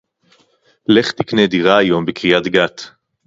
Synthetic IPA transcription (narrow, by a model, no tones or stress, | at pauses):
le̞χt̪ikned̪iʁaːjo̞mbekʁijat̪ɡat̪